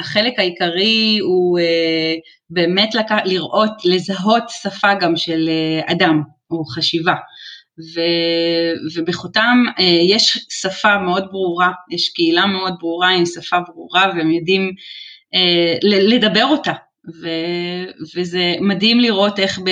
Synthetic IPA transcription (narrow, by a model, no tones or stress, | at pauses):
aχe̞lekaikaʁiue | be̞ːme̞tlakaliʁʔo̞tle̞zaɦo̞tsafaɡamʃe̞lea̰dam | oχaʃiva | ve | vebeχutamejeʃsafameo̞dbʁuʁajeʃkeilameo̞d̚bʁuʁaimsafabʁuʁaveemjodim | elele̞dabe̞ʁo̞ta | vevezemadimliʁʔo̞te̞χb